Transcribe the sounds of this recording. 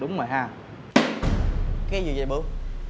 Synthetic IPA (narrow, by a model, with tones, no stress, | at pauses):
ɗʊ˨˦ŋ͡mmoː˨˩ɦaː˧˩ | kaː˨˦jzɨ˨˩˨zə˨˩jɓɨ˧˩˦